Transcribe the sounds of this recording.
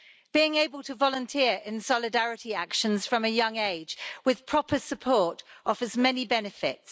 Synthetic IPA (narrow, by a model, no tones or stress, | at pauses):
b̥iɪ̃ŋeɪbəlˠtʰəvɒlə̃ntʰɪəɹɪ̃nsɒlɪdaɹɪtiakʃə̃nz̥fɹə̃məjʌ̃ŋeɪ̥d͡ʒwɪð̥pʰɹ̥ɒpʰəsəpʰɔˑtɒfəzmɛnibɛnɪfɪts